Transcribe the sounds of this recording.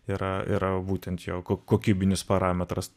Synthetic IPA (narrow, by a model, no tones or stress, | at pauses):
iɾɐɪ̰ɾɐbuːt̪ʲɛnt̪jɛːkokoːkʲiːbʲɪnʲɪspɐɾɑːmʲɛt̪ɾɐs